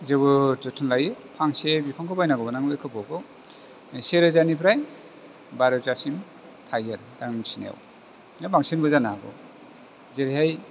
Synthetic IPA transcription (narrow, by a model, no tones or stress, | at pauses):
zɯbɯtɔtʰɯnlajɯpʰaŋsebipʰaŋkɯbajnaɡɔbanaŋlɯkʰɯbɔɡɔ | seɾɯzanipʰɾaj | baɾɯzasim | tʰajaɾdaŋnŋsina̰w | nabaŋsenbɯzanaɡɔ̰ | zeɾiɦaj